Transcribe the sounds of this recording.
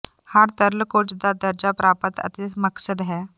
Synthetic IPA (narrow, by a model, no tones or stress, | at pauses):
həɾt̪əɾlkot͡ʃd̪ad̪əɾd͡ʒapɾaːpət̪ə̰t̪eməksəd̪ɦɛː